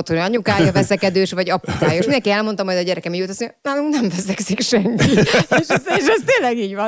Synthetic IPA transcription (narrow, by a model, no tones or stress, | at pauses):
t̪ojɒɲukaːjɒvɛsɛkɛd̪øːʃʋɒɟɒput̪aːjoeʃmind̪ɛŋkiɛlmo̞nt̪ɒmɒjd̪ɒɟɛɾɛkɛmijuːt̪sejnaːluŋknɛɱvɛsɛksikʃɛŋkieʃɛeːʃɛst̪eːlːɛɡiːɟʋɒn